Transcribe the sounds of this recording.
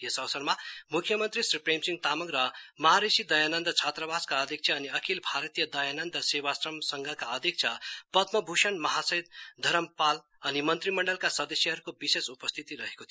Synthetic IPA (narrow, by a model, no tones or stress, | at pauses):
jesʌʋsʌɾmamukʰjʌmʌnt̪ɾisɾipɾemsiŋɡt̪amʌŋɡɾʌmʌɦaɾesid̪ʌjanənd̪t͡ʃʰat̪ɾəbʱaskaʌd̪ʱik̚sʰjaːniʌkʰilbʱaɾt̪ijəd̪ʌjanənd̪sewasɾʌmsʌŋɡʱakaʌd̪ʱik̚t͡ʃʰapʌt̪mʌbʱuʃʌnmʌɦasʌit̪̚d̪ʱʌɾəmpal | ʌnimʌnt̪ɾimʌɳɖʌlkasʌd̪ʌsjʌɦʌɾukobisesupʌst̪ʰit̪iɾʌɦekot̪ʰi